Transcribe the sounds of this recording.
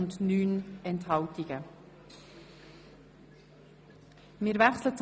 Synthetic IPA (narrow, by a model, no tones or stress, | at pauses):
ʊndnyːnɛnthɑwtiɡ̥ə | mɪːɾvɛχslət͡s